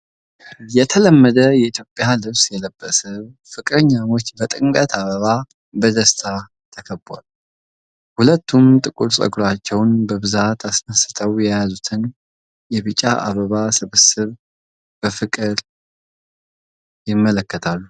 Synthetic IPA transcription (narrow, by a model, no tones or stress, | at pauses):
jɛt̪ʰələmːəd̪əjɛit̪ʰjo̞pʼjalɨβsjɛləbːəsɨβ | fɨkʼɨɾɲːano̞t͡ʃːbət̪ʼɨŋkʼət̪ʰaβəβa | bəd̪əst̪ʰa | t̪ʰəkʰəba̰l | hulət̪ːumt̪ʼɨkʼuɾsʼə̰ɡɾat͡ʃːɛwnbəβɨzat̪ʰasnəsɨt̪ʰəwjɛjazut̪ʰɨn | jɛβɨt͡ʃʼa̰ʔa̰βəβasɨβəsɨβ | b̥əfɨkʼɨɾ | jɪmːələkːət̪ʰalːu